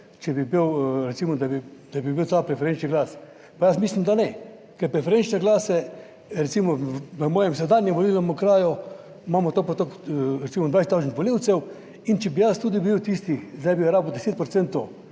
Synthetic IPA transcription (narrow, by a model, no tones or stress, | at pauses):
t͡ʃɛbibiwɾɛt̪siːmɔd̪abid̪̥abibiwt̪apɾɛfɛɾent͡ʃniɡlaːs | pajasmiːslimd̪anɛ | kɛɾpɾɛfɛɾent͡ʃnɛɡlaːsɛ | ɾɛt̪simɔʋəmɔːjɛmsɛd̪aːnjɛmʋoliːlnɔmukɾaːju | mamɔt̪opɔt̪okɾɛt̪iːmɔd̪ʋajset̪ːɔʒntʋɔliwt̪sɛw | int͡ʃɛbijast̪uːd̪ibiwt̪ist̪ixzd̪ajbiɾaːbd̪eseːt̪̚pɾɔt̪sɛnt̪ːo